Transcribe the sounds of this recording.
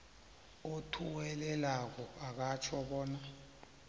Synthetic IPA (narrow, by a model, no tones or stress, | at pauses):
otʰuwɛlɛlak̬ɔak̬at͡ʃʰɔɓɔːna